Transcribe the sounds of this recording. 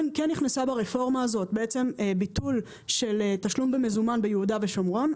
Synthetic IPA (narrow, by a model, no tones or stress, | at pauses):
nkɛnːiχnesabeʁefo̞ʁmaːzo̞t̪̚beet͡se̞mebit̪ul | ʃe̞letaʃlumbemezumanbejeudave̞ʃomʁo̞n